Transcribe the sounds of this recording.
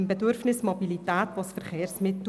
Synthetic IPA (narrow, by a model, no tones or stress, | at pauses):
mbɛdʏɾfnɪsmɔbilit̪æːt̪ʋɑsfəɾχeːɾsmɪtː